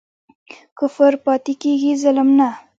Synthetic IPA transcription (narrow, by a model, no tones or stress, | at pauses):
kʊfəɾpɑt̪ikeɡizaləmna